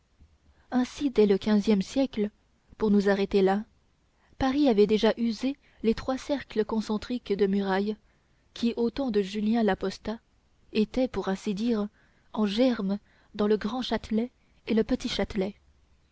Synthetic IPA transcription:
ɛ̃sid̪ɛləkʲɛ̃zjɛmsjɛklə | puʁnuzaʁɛt̪ela | paʁiavɛd̪eʒaʔyze | let̪χwasɛʁkləkɔ̃sɑ̃t̪χikd̪əmyʁaj | kʲʰiʔot̪ɑ̃d̪əʒyljɛ̃lapɔst̪a | et̪ɛpuʁɛ̃sid̪iʁ | ɑ̃ʒɛʁm | d̪ɑ̃ləɡʁɑ̃ʃat̪lɛ | eləpət̪iʃat̪lɛ

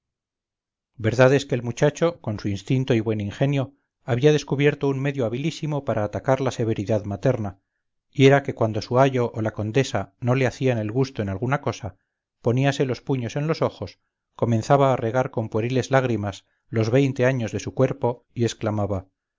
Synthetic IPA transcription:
be̞ɾðaðe̞skeːlmut͡ʃat͡ʃo̞ko̞nsuinst̪int̪oiβwe̞niŋxe̞njo̞ | aβiaðe̞skuβje̞ɾt̪o̞unme̞ðjo̞aβ̞ilisimo̞paɾʔaːt̪akaɾlase̞β̞e̞ɾiðaðmat̪e̞ɾna | ie̞ɾake̞kwand̪o̞suaʝo̞ʔːlako̞nd̪e̞sano̞le̞aθiane̞lɣust̪o̞e̞nalɣunako̞sa | po̞niase̞lo̞spuɲo̞se̞nlo̞so̞xo̞s | ko̞mẽ̞nθaβaːre̞ɣ̞aɾko̞mpweɾile̞zlaɣ̞ɾimas | lo̞zβe̞jnt̪e̞aɲo̞zðe̞sukwe̞ɾpo̞ | ie̞sklamaβa

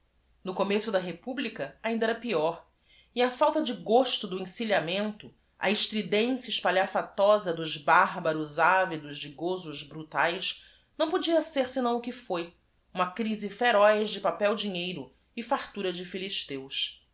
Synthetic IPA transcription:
nʊkomesʊd̪ɐɦepublikɐaĩnd̪ɐɛɾɐpiɔɾ | iɐfawt̪ɐd͡ʒɪɡoʃt̪ʊd̪ʊĩsiʎamẽnt̪ʊ | ɐ̰ɪʃt̪ɾid̪ẽsjɐiʃpaʎafat̪ɔzɐd̪ʊʒbaɦbɐɾʊzavid̪ʊzd͡ʒɪɡozʊʒbɾut̪ajʃ | nɐ̃w̃pod͡ʒiɐseɾsɪnɐ̃w̃ʊkɪfoj | ũmɐkɾizɪfeɾɔjzd͡ʒɪpapɛwd͡ʒiɲejɾʊ | ɪfaɾt̪uɾɐd͡ʒɪfiliʃt̪ews

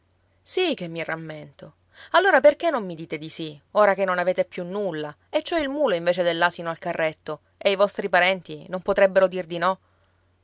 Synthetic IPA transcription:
sik̟emːiramːent̪o | alːoːɾaperkenːomːid̪iːt̪ed̪isioːɾakenːonaveːt̪epːjunːulːa | et͡ʃːoɛilmuːloiɱveːt͡ʃed̪elːasinoalkarːet̪ːo | eivɔst̪ɾipaɾɛnt̪inompot̪ɾɛbːeɾod̪ird̪inɔ

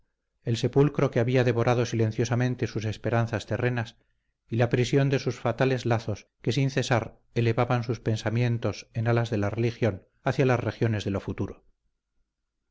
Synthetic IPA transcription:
e̞lse̞pulkɾo̞keaβiaðe̞βo̞ɾʔaðo̞sile̞n̟θjo̞samẽnt̪e̞suse̞spe̞ɾanθast̪e̞re̞nas | ilapɾisjo̞nd̪e̞susfat̪ale̞zlaθo̞ske̞sinθe̞saɾ | ele̞βaβansuspe̞nsamje̞nt̪o̞se̞nalazðe̞lare̞lixjo̞n | aθjalasre̞xjo̞ne̞zðe̞lo̞fut̪uɾo

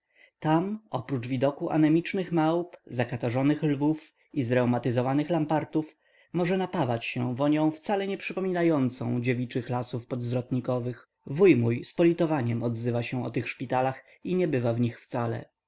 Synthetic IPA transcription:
t̪amɔpɾut͡ʂvʲid̪ɔkuʔa̰nɛmʲit͡ʂnɘxmawpzakat̪aʐɔnɘxlvuf | izɾɛwmat̪ɘzɔvanɘxlampaɾt̪uf | mɔʐɛnapavat͡ɕɕɛvɔɲɔ̃w̃ft̪salɛɲɛpʂɘpɔmʲinajɔnt̪sɔ̰̃w̃d͡ʑevʲit͡ʂɘxlasufpɔd̪zvɾɔt̪ɲikɔvɘx | vujmujspɔlʲit̪ɔvaɲɛmɔd̪zɘvaɕɛ̃ɔ̰t̪ɘxʂpʲit̪alax | iɲɛbɘvavɲixft̪salɛ̰

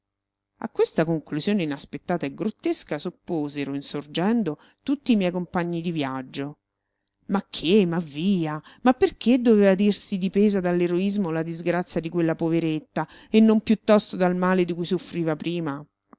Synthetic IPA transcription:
a̰kːwest̪akoŋkluzjoːneinaspet̪ːaːt̪aeɡɾot̪ːeskasopːoːzeɾoinsord͡ʒɛnd̪o | t̪ut̪ːiːmjɛjkompaɲːid̪ivjad͡ʒːo | makʰːemavːiːamapːerk̟ʰed̪ːoveːvad̪irsid̪ipeːzad̪alːeɾoizmolad̪izɡɾat̪sːjad̪ikwelːapoveɾet̪ːa | enːompjut̪ːɔst̪od̪almaːled̪ikujsofɾiːvapɾiːma

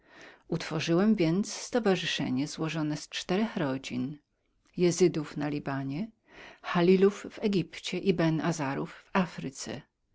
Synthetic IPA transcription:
ut̪fɔʐɘwɛmvʲjɛnt̪ssːt̪ɔvaʐɘʂɛ̰ɲɛzwɔʐɔnɛst͡ʂt̪ɛɾɛxɾɔd͡ʑin | jɛzɘd̪ufnalʲibaɲɛ | xalʲiluvvɛɡʲipt͡ɕɛʔibɛnazaɾuvːafɾɘt̪sɛ̰

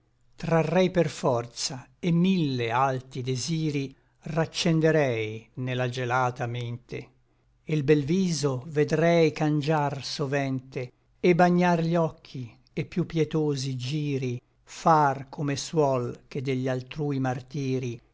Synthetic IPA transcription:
t̪ɾarːɛjperfɔrt̪saemːilːealt̪id̪eziːɾi | rat͡ʃːend̪eɾɛjnelad͡ʒelaːt̪ament̪e | ilbɛlviːzoved̪ɾɛjkand͡ʒarsovɛnt̪e | ebaɲːarʎɔkʰːi | epːjupːjɛt̪oːzid͡ʒiːɾi | farkʰomeswɔlk̟ed̪eʎːalt̪ɾuːimart̪iːɾi

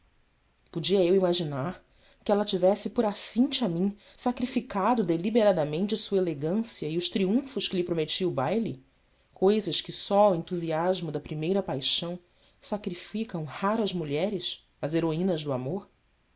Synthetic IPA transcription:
pud͡ʒiɐewimaʒinaɾ | kɪɛlɐt͡ʃivɛsɪpʊɾasĩnt͡ʃɪamĩ | sakɾifikad̪ʊd̪elibeɾad̪ɐmẽnt͡ʃɪɐsuɐeleɡɐ̃siɐɪʊʃt̪ɾiũfʊʃkɪlɪpɾomet͡ʃiɐʊbajli | kojzɐʃkɪsɔwẽnt̪uziaʒmʊd̪ɐpɾimejɾɐpajʃɐ̃w̃ | sakɾifikɐ̃w̃haɾɐzmuʎɛɾɪʃ | ɐzeɾoĩnɐzd̪ʊamoɾ

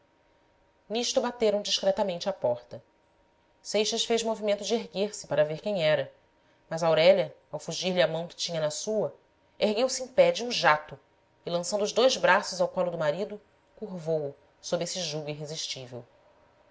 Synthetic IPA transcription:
niʃt̪ubat̪eɾɐ̃w̃d͡ʒiʃkɾɛt̪ɐmẽnt͡ʃɪapɔɾt̪ɐ | sejʃɐʃfejʒmovimẽnt̪ʊd͡ʒɪeɦɡeɾsɪpaɾɐveɾkẽj̃ɲ̃ɛɾɐ | mɐzɐawɾɛʎɐawfuʒiɾlɪɐmɐ̃w̃kɪ̥t͡ʃĩɲɐnɐsuɐ | eɦɡewsɪẽj̃pɛd͡ʒɪũʒat̪ʊ | ɪlɐ̃sɐ̃nd̪ʊːʒd̪ojzbɾasʊzawpalʊd̪ʊmaɾid̪ʊ | kuɾvowʊ | sobɾesiʒuɡuiɦeziʃt͡ʃivḛw

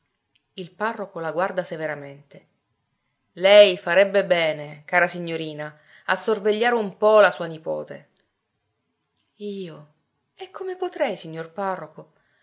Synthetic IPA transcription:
ilparːokolaɡward̪aseveɾament̪e | lɛjfaɾɛbːebɛːnekaːɾasiɲːoɾiːna | asːorveʎːaːɾeumpɔlasuːanipɔ̰ːt̪ḛ | iːo | ekʰːomepot̪ɾɛjsiɲːorparːoko

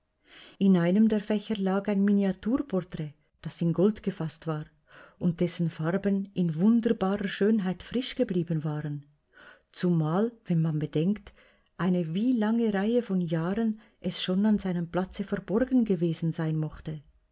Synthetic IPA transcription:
ɪnaɪnəmdeːɐfɛçəlaːkaɪnminiatʰuːɐpʰɔʁtʁ̥ɛː | d̥asɪnɡɔltɡ̥əfastv̥aːʁ | ʊnt̚d̥ɛsn̩faʁbənʔɪnvʊndəɾbaːʁəʃøːnɦaɪtfʁ̥ɪʃɡ̥əbliːbənvaːʁən | t͡sumaːlvɛnmanbədɛŋkt | ʔaɪnəviːlaŋəʁaɪəfɔnjaːʁən | ʔɛsʃoːnanzaɪnəmpl̥at͡səfɛɐbɔɾɡn̩ɡəveːzn̩zaɪnmɔχtə

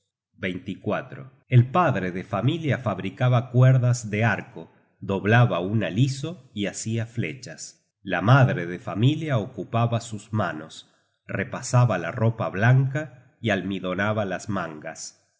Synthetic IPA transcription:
bejnt̪ikwat̪ɾo̰ | elpaðɾeðefamiljafaβɾikaβakweɾðazðeaɾko | ðo̞βlaβaunaliso̞iasiaflḛt͡ʃas | lamaðɾeðefamiljaokupaβasusmanos | repasaβala̰ropaβlaŋka | ialmiðo̞naβalasmãŋɡas

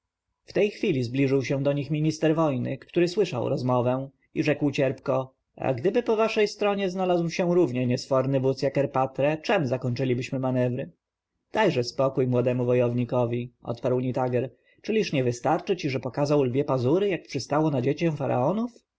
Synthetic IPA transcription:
ft̪ɛjxfʲilʲizblʲiʐɘwɕɛ̃d̪ɔɲixmʲiɲist̪ɛɾvɔjnɘ̰kt̪uɾɘswɘʂa̰wɾɔzmɔvɛ̃ | iʐɛkwt͡ɕɛɾpkɔ | a̰ɡd̪ɘbɘpɔvaʂɛjst̪ɾɔɲɛznalazwɕɛ̃ɾuvɲɛɲɛsfɔɾnɘvut̪sjakɛɾpat̪ɾɛt͡ʂɛmzakɔɲʲt͡ʂɘlʲibɘɕmɘmanɛvɾɘ | d̪̥ajʐɛspɔkujmwɔd̪ɛmuvɔjɔvɲikɔvʲiʔɔ̰t̪paɾwɲit̪aɡɛɾ | t͡ʂɘlʲiʂɲɛvɘst̪aɾt͡ʂɘt͡ɕiʐɛpɔkazawlvʲjɛpazuɾɘjak̚pʂɘst̪awɔnad͡ʑet͡ɕɛ̃w̃faɾa̰ɔnuf

